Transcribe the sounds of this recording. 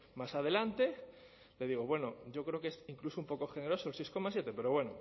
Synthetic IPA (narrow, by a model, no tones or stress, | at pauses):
masaðe̞lant̪e̞ | le̞ð̞iɣ̞oβwe̞noɟ͡ʝo̞kɾeokesiŋklusoumpo̞koxeneɾo̞soelsejsko̞masje̞t̪epe̞ɾo̞βwe̞no̰